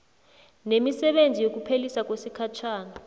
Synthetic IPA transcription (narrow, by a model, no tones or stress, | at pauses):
nemisɛɓend͡zʱijok̬upʰelisak̬ʼwesikʰat͡ʃʰaːna